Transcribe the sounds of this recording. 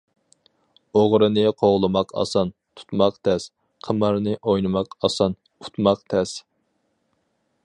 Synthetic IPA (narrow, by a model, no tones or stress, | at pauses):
oʁɾɨnɨqʰoʁlˠɨmɑqʰɑ̰sɑnt̪ʰu̥t̪mɑqt̪ʰɛs | qʰəmɑɾnɨʔojnɨmɑqɑsɑn | ut̪mɑqt̪ʰɛs